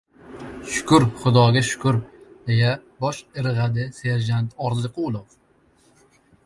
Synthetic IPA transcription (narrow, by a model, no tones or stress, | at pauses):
ʃʊ̥kʰʊɾχʊd̪ɒɡʲaʃʊ̥kʰʊɾd̪e̞jabɒʃɪɾɨʁad̪ɪse̞ɾd͡ʒant̪ʰɒɾzɪqʰulˠof